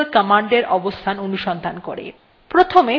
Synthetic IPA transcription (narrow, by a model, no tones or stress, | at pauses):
lkɔmaɳɖeɾɔbost̪ʰanonuʃɔnd̪ʱanko̰ɾḛ | pɾot̪ʰome